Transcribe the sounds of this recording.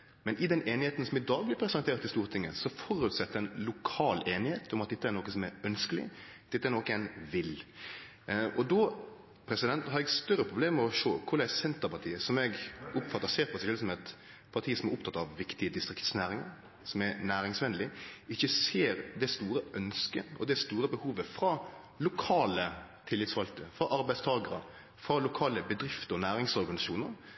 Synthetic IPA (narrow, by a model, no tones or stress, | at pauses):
mɛnʔɪd̪ɛneːnɪheːt̪n̩sɔmɪd̪ɑːɡ̚blɪpʰɾɛsɛneːɾt̪ɪst̪uːʁt̪ʰɪŋːəsɔfɔɾʉt̪sɛt̪ːəɾɛɪnlʊkʰɑːleːnɪheːt̪ɔmɑt̪̚d̪ɛt̪ːəæɛɾnoːkənsɔmɛɾœnskəlɪ̰d̪̥ɛt̪ːæɾnoːkæɪnʋɪl | ɔd̪ɔ | pʰɾɛsɪd̪ɛnt̪hɑɾɛɡst̪œɾːəpʰɾʊbleːmːɛɔʂoːkʰʊɾlæɪsɛnt̪əɾpɑt̪ʰiːəsɔmɛɡʊpfɑt̪ːəseːɾpɔsɛɪʃœlːəsɔmɛt̪ | pʰɑɾt̪ʰiːəsɔmɛɾʊpt̪ʰɑt̪ːɑʋʋɪkt̪ɪəd̪ɪst̪ɾɪkt̪snæːɾɪŋə̰ɾ | sɔmɛnæːɾɪŋsʋɛnlɪɪçːəseːɾd̪ɛst̪uːɾəʔœnskənʔɔ̰d̪ɛst̪uːɾəbəhuːʋəfɾɑ | lʊkʰɑːlət̪ʰɪlːɪt̪sfɑlt̪əɾəfɾɑʔɑɾbæɪst̪ʰɑːɡəɾə̰ | fɾɑlʊkʰɑːləbəd̪ɾɪft̪əɔnæːɾɪŋsɔɾɡɑnɪsɑʃuːnəɾ